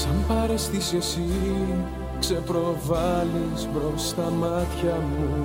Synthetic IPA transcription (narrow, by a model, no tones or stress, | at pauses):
sɐmpɐɾest̪isesi | kse̞pɾo̞vɐlispɾo̞st̪ɐmɐt̪çɐmu